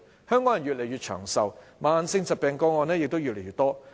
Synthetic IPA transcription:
hœː˥ŋkɔː˨˥jɐ˨˩njyː˨t̚le˨˩jyː˨t̚t͡ʃʰœ̰ː˨˩ŋsɐ˨wmaː˨nsɪ˧ŋsɐ˨t̚pɛː˨˩ŋkɔː˧ŋɔː˨˧nɛː˥jɪ˨k̚t̪o˥wjyː˨t̚le˨˩jɥyː˨t̪ɔː˥

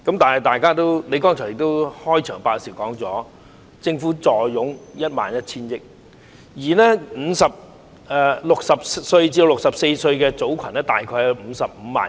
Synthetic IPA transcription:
kɐ˧˥mt̪aː˨˩nhɐ˨˩jt̪aː˨jkaː˥t̪o˥wne˨˧jkɔː˥ŋʰɔ˨˩jɪ˨k̚t̪o˥whɔː˥jt͡ʃʰœː˨˩ŋpaː˧si˨˩wkɔː˨˥ŋt͡sɔː˨˥ | t͡sɪ˧ŋfuː˨˥t͡sɔː˨jːʊ˨˥ŋjɐ˥t̚ma̰ː˨˩njɐ˥t̚t͡sʰiː˥njɪ˥k̚ | jiː˨˩nɛː˥m̩ː˨˧˥sɐ˨p̚ | ɛ˧lʊ˨k̚sɐ˨p̚ssɵ˧ɥt͡ɕiː˧o˧wlʊ˨k̚sɐ˨p̚se˧jsɵ˧ɥkɛː˧t͡so˨˥wkʰɐ˨˩nɛː˥t̪a̰ː˨jkʰɔː˧jɐ˨˧jm̩˨˧sɐ˨p̚m̩˨˧˦ma̰ː˨˩

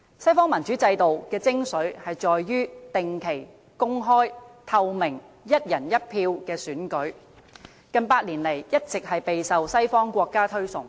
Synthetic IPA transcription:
sɐ˥jfɔː˥ŋmɐ˨˩nt͡ʃy˨˥t͡sɐ˧jt̪o˨wkɛː˧t͡sɪ˥ŋsɵ˨˥ɥhɐ˨jt͡ʃɔː˨jːyː˥t̪ɪ˨ŋkʰe˨˩j | kʊ˥ŋɦɔː˥jt̪ʰɐ˧wmɪ˨˩ŋ | jɐ˥t̚jɐ˨˩njɐ˥t̚pʰiː˧wkɛː˧syː˨˥nkɵ˨˥ɥ | kɐ˨˧npaː˧t̚liː˨˩nle˨˩jjɐ˥t̚t͡sɪ˨k̚hɐ˨jpe˨jsɐ˨wsɐ˥jfɔː˥ŋkʷɔː˧kːaː˥t̪ʰɵ˥ɥsʊ˨˩ŋ

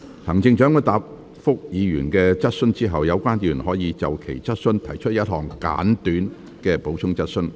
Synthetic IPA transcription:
hɐ˨˩ŋt͡sɪ˧ŋt͡ʃœ˨˥ŋkɛ˧t̪aː˨p̚ | fʊ˥k̚jiː˨˧ɥyː˨˩nkɛː˧t͡sɐ˥t̚sɵ˥nt͡siː˥ɦɐ˨wjɐ˨˧wkʷaː˥nt̪yː˨˩nɦɔː˨˥jiː˨˧t͡sɐ˨wkʰḛ˨˩jt͡sɐ˥t̚sɵ˥nt̪ʰɐ˨˩jt͡ʃʰɵ˥t̚jɐ˥t̚hɔː˨˩ŋka̰ː˨˥nt̪yː˨˥n | kɛː˧po˨˥wt͡sʰʊ˥ŋt͡sɐ˥t̚sɵ˥n

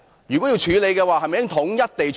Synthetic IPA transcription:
jyː˨kwɔ˨˥ji˧wt͡ʃʰyː˨˧le˨˧jkɛ˧waː˨hɦɐ˨jm˨jɪ˥ŋt̪ʰʊ˨˥ŋjɐ˥t̚t̪e˨jt͡ʃ

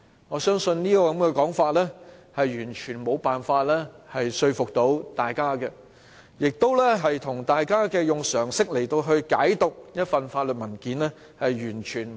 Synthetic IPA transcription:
ŋɔː˨˧sœː˥ŋsɵ˧nniː˥kɔː˧kɐ˨˦mkɛː˧kɔː˨˥ŋfaː˧t̚lɛː˥hɐ˨jjyː˨˩nt͡ʃʰyː˨˩nmo˨˧wpaː˨nfaː˧t̚lɛː˥hɐ˨jsɵ˧ɥfʊ˨k̚t̪o˨˥wt̪aː˨jkaː˥kɛ˧ | jɪ˨k̚t̪o˥wlɛ˥ɦɐ˨jt̪ʰʊ˨˩ŋt̪aː˨jkaː˥kɛː˧jʊ˨ŋsœː˨˩ŋsɪ˥k̚le˨˩jt̪o˧wɦɵ˧ɥkaː˨˥jt̪ʊ˨k̚jɐ˥t̚fɐ˨nfaː˧t̚lə˨t̚mɐ˨˩nkiː˨˥nlɛ˥ | hɐ˨jjyː˨˩nt͡ʃʰyː˨˩n

